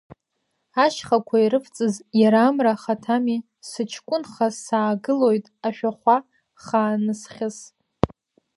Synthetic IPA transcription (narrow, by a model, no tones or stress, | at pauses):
aʃχakʷʰaiɾɨft͡sʼɨzjaɾamraχatʰami | sɨt͡ʃʰkʷʼʊnχasaːɡɨlo̞jtʼaʃᶣaχʷa | χaːnɨsχʲɪs